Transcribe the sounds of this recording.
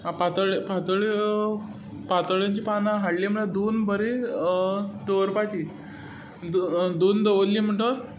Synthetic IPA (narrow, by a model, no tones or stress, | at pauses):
ãpat̪əɭpat̪əɭi | pat̪əɭjaɲt͡ɕiːpanaɦaɽliːm̤əlad̪onbəɾe | d̪oɾpat͡ɕiː | d̪d̪ond̪əʋəllːiːm̤əɳʈəɾ